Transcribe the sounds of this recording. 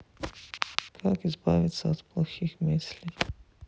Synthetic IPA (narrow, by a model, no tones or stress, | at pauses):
kʰakizbaːʋit̪saɔt̪plˠaxixmisli